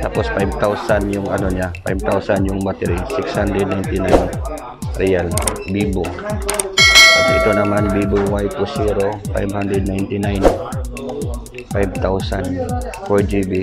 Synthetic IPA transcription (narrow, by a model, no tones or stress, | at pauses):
t̪apospajb̚t̪awsanjʊŋʔɐnoɲapajb̚t̪awsanjʊŋmat̪ɛɾisɪkshand̪ɾɛd̪̚najnt̪ɪnajn | ɾɛalbiːbʊŋ | ʔɪt̪ɪt̪onɐmanbibʊŋwajpusiɾofa̰jbhand̪ɾɛd̪̚najnt̪ɪnajn | fajb̚t̪awsanfɔɹd͡ʒibi